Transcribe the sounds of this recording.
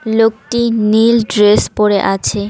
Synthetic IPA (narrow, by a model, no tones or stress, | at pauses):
lokʈinilɖɾespoɾeʔat͡ɕʰe